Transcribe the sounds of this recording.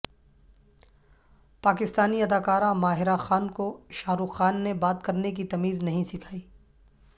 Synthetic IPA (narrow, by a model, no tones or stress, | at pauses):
paːkɪst̪aːniɐd̪aːkaːɾãmaːɦɪɾaxaːnkoʃaːɾuxːaːnːebaːt̪kɐɾnek̬it̪ɐmiːznɐɦĩsɪkʰaːiː